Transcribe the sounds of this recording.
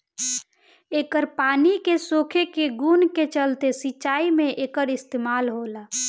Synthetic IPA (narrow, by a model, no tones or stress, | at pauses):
eːkəɾpaːnikesokʰekeɡunket͡ʃəlt̪esiʃaːimẽʔeːkəɾɪst̪eːmaːlɦola